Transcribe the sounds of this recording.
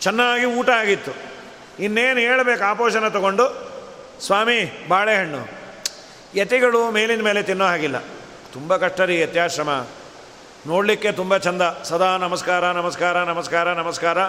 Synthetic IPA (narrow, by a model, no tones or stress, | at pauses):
t͡ʃɛnːaːɡiuːʈɐaːɡit̪ːu | inːeːnueːɭɐbeːkaːpoːʃɐnɐt̪ɔɡo̞ɳɖu | sʋaːmibʱaːɭeːɦɐɳːṵ | jet̪iɡɐɭume̞ːlinɐme̞ːlet̪inːoɦaːɡilːɐ̰ | t̪umbɐkɐʂʈːɐɾijɐt̪jaːʃɾɐmɐ | no̞ːɽlikːe̞t̪umbɐt͡ʃɐnd̪ɐsɐd̪ʱaːnɐmɐskaːɾɐnɐmɐskaːɾɐnɐmɐskaːɾɐnɐmɐskaːɾɐ